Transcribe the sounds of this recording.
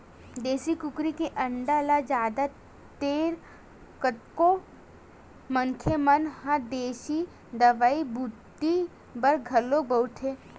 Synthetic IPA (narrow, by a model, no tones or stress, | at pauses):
d̪eːsikʊkɾikeʔɐɳɖalad͡ʒaːd̪a | t̪eːɾ | kət̪ko | məŋkʰjemɐnhãd̪eːʃi | d̪ɐʋaːibʱʊd̪i | bɐɾɡʱɐlːobəʊʈ̪ʰɦeː